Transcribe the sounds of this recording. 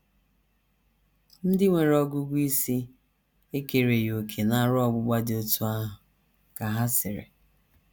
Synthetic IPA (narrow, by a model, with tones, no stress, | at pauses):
n̩˦dɪ˦ŋʷe˨ɾɔ˦ɡʊ˦ɡʷi˦si˦ | e˦ke˨ɾe˨jo˨kʰe˨na˨˦˨ɾʊ˦ɔ˦˨ɡ͡bʊ˦ɡ͡ba˦dɪ˨o˦tu˦a˦ɦʊ˨ | ka˨ɦa˦sɪ˨ɾɪ̰˨